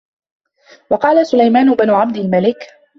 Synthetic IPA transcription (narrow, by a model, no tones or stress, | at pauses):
wɑqɑːlasʊlajmaːnʊbanʊʕabd̪ɪlmalɪk